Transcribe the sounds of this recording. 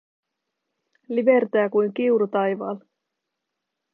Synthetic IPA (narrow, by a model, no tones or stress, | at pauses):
liʋe̞rt̪æːkujŋk̟iuɾut̪ɑjʋɑ̰ːl